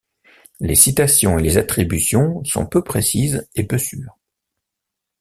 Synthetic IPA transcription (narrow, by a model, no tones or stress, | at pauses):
lesit̪asjɔ̃elezat̪χibysjɔ̃sɔ̰̃pøpχesizepøsyːʁ